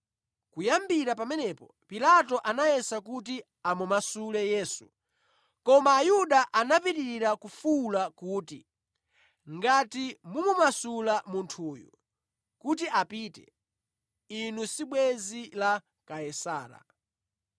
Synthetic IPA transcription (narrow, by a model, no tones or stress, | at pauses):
kujambiɾap̬amɛnɛpɔ | pilatɔʔanaɛsakuti | amumasulɛjɛːsu | kɔmaːjuɗaʔanapitiiɾakufulakuːti | ŋɡatimumumasulamuntʰuːjṵ | kut̬iapiːtɛ̰ | inusiɓwɛzila | kaɛsaːɾa̰